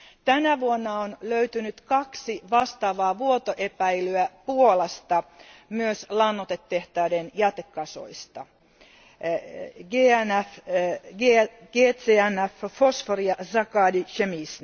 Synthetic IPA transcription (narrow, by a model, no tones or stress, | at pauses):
t̪ænæʋuonːɑonløyt̪ynyt̪kɑksiʋɑst̪ɑːʋɑːʋuot̪oʔepæjlyæpuolɑst̪ɑmyøslɑnːot̪et̪ːe̞ht̪æːdenjæt̪ekːɑso̰ist̪ɑ | ɡeːænæfɡeɡ̥eːt̪eːænːæffosforijɑsɑkɑːdiʃemisn